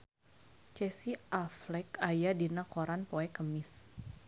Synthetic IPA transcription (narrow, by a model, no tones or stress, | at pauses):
t͡ʃɛsiʔaflɛkajadinakoɾanpoɛkəmɪs